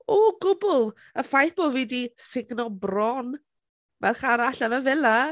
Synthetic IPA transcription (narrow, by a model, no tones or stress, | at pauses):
oːɡʊbʊlˠ | əfajθb̥oːvidisɪɡnɔbrɔn | marχaɾaɬanəvɛlˠa